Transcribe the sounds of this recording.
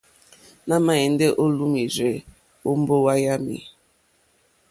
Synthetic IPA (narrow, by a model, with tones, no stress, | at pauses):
na˦ma˦˨e˨n̩˦de˦ʔo˦lu˦mi˨ze˨ | o˦m̩˦bo˦wa˦ja˦mḭ˨